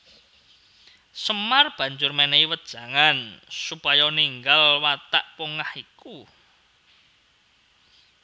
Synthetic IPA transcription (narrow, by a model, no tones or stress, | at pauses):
səmarb̥ä̤ɲd͡ʒʊrmeneiwət̪̚d̥ʒ̥ä̤ŋansupajɔniŋɡalwat̪a̰ʔpoŋahiku